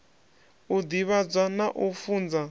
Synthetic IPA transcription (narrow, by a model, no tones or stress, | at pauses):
ud̪iβab͡ʐanaʔufund͡za